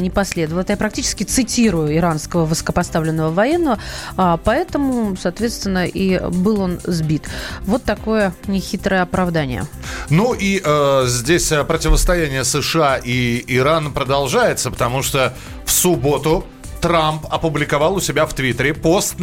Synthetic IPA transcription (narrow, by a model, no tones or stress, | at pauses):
nʲɪpɐsʲlʲe̞d̪əvəlˠt̪əjapɾɐktʲit͡ɕɪskʲɪt̪sɨtʲiɾʊjʊɪɾanskəvəvɨsə̥kəpɐst̪avlʲɪnːəvəvɐjɛnːəvəapɐɛt̪əmʊsɐːt̪vʲet̪st̪vʲɪnːəʔibɨlˠo̞nzbʲit̪vo̞t̪ːɐko̞jənʲɪxʲit̪ɾəjəɐpɾɐvd̪anʲɪ̰jə̰ | nuʔiʔəzʲdʲesʲəpɾətʲɪvəst̪ɐjænʲɪjəsɨʂɨaʔiɪɾanpɾəd̪ɐlˠʐajɪt̪səpə̥t̪ɐmuʂt̪o | fsʊbo̞t̪ʊ | t̪ɾampɐpʊblʲɪkɐvɑlˠʊsʲɪbʲaft̪vʲit̪əɾʲɪpost̪